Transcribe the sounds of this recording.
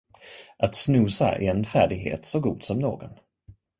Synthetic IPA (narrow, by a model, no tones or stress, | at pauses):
ʔat̪snʉːsa̰ʔɪɛnfæːɖɪɡɦḛːt̪sɔɡuːd̪sɔmno̰ːɡɔn